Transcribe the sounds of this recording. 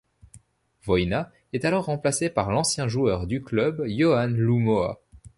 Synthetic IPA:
vɔjna | ɛt̪alɔʁːɑ̃plasepaʁlɑ̃sjɛ̃ʒuœʁd̪yklœbjɔanlumoa̰

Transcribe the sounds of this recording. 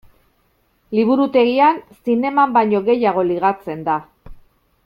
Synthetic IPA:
liβ̞uɾut̪e̞ɣiansine̞mambaɲo̞ɣe̞jaɣ̞o̞liɣ̞at͡se̞nd̪a

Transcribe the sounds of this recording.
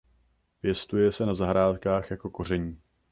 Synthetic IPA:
pjɛst̪ujɛsɛnazaɦɾaːt̪kaːxjako̞ko̞r̝ɛɲiː

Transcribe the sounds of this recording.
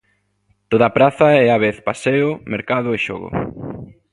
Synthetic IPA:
t̪oðɐpɾaθɐɛaβeθpaseʊmeɾkaðʊeʃo̰ɣʊ̰

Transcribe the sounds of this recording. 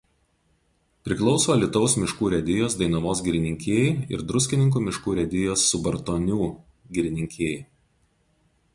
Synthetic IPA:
pʲɾʲɪklˠɒʊsoːlʲɪt̪ɔʊsmʲɪʃkuːɾʲɛd̪ʲɪjoːsd̪ɐɪnɐmoːs̬ɡʲɪɾʲɪnʲɪŋʲkʲeːjɛɪɪ̰ɾd̪ɾʊsʲkʲɪnʲɪŋk̬uːmʲɪʃkuːɾʲɛd̪ʲɪjoːsːʊbɐɾt̪oːnʲuː | ɡʲɪɾʲɪnʲɪŋʲkʲeːjɛɪ

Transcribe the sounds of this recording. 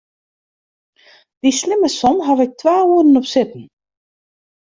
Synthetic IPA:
ðislɪmːasɔmɦavɛk̚t̪ʰvaːuːðɪnɔpsɪt̪̚nɪ

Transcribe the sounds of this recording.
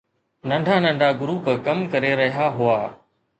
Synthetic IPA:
nɐ̃ɳɖʱaːnə̃ɳɖʱaːɡʊɾuːpkɐmkɐɾeɾɐɦijaɦʊaː

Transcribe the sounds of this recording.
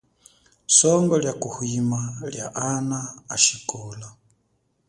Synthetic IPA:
sɔŋɡɔljakuhwimalja̰ʔanaːʃikɔla

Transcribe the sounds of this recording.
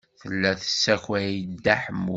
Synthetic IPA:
θəlːæθə̥sːæçwæjid̪ːaħəmu

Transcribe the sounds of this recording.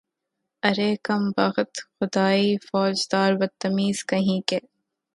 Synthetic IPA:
ɐɾeːkɐmbɐɣt̪xʊd̪aːiːfɔːd͡ʒd̪aːɾwɐt̪ːɐmiːz̥kɐɦĩːke

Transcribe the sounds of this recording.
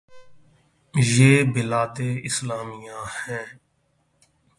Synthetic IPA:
jeːbɪlaːt̪eːɪslaːmɪjãːhɛ̃ː

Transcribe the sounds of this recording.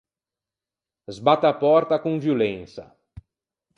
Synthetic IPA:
zbat̪ɐapɔɾt̪ɐkõviolẽsɐ̰

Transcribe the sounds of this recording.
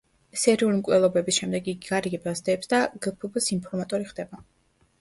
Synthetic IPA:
sɛɾiulimkʼwɛlˠɔbɛbisʃɛmd̪ɛɡiɡiɡaɾiɡɛbasd̪ɛːpsd̪aɡəpʰubsimpʰɔɾmat̪ʼɔɾiχd̪ɛba

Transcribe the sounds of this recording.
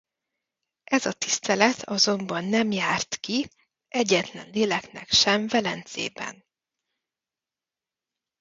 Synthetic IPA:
ʔɛzɒt̪ist̪ɛlɛt̪ʰɒzo̞mbɒnːɛmjaːrt̪ki | ɛɟːɛt̪lɛ̰nleːlɛknɛkʃɛɱvɛlɛnzḛːbɛ̰n

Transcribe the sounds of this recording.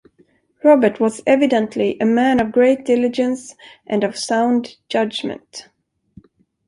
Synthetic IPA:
ɹɑbə˞tʰwʌzɛvɨdə̃ntʰliʔɨmæ̃nʌvɡɹeɪt̚d̥ɪlɨd͡ʒɨ̃nsʔɨ̃nʌv̥sãʊ̃ndd͡ʒʌd͡ʒmɨ̰̃nt

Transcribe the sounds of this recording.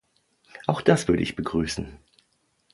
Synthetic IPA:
ʔaʊxd̥asv̥ʏɐɾə̰ʔɪçb̥əɡʁyːsn̩

